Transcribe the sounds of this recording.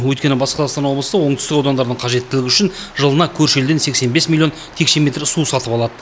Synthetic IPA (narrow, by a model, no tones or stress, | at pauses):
wɵjt̪kʲe̞nɪbɑsqəɑst̪ɑnwoblˠsɑwo̞ɴt̪ʏ̥st̪ɪkɑwd̪ɑnd̪ɑɾd̪əɴqʰɑʒe̞t̪ːɪlɪɡʲɪʏʃɪnʒəlˠənɑkʲʰɵɾʃeld̪ense̞kse̞nbe̞smilʲˠjont̪ʰe̞kʃe̞mʲe̞t̪ɾsusɑt̪əpɑlˠɑd̪ə